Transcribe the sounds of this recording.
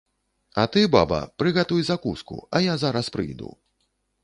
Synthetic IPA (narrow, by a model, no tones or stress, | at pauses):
ɐ̰t̪ɨbabɐ̰pɾɨɣɛt̪ujzakuskṵɐjazaɾɐspɾɨ̰jd̪ṵ